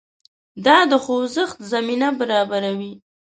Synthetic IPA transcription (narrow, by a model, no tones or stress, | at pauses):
d̪ɑd̪əxowzəxt̪zaminabaɾɑbaɾawi